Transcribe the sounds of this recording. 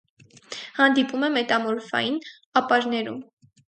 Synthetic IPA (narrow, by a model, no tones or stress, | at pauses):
hɑnd̪ipumɛmɛt̪ɑmɔɾfɑ̰jin | ɑpɑɾnɛɾṵm